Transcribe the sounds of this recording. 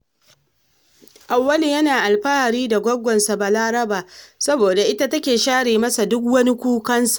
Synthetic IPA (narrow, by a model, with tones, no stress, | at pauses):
ʔa˨wːɐ˦li˨jɐ˦naː˨ʔa˨lɸaː˦ha˨ɾiː˦da˨ɡʷɔ˦ɡʷɔ˨nsa˨ba˨laː˦ɾɐ˦baː˨sɐ˦boː˨da˨ʔɪ˦ta˦tɐ˦kʲeː˨ʃaː˦ɽeː˨mɐ˦sa˨dʊ˦kwɐ˦ni˦kʷuː˦kɐ˦nsḁ˨